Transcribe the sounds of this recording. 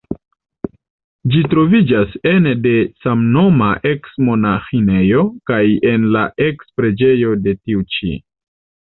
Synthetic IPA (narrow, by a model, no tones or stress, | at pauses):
d͡ʒitɾo̞vid͡ʒase̞nde̞samno̞maʔe̞ksmo̞naxine̞jo̞kaje̞nla̰ʔe̞kspɾe̞d͡ʒe̞jo̞de̞tiut͡ʃḭ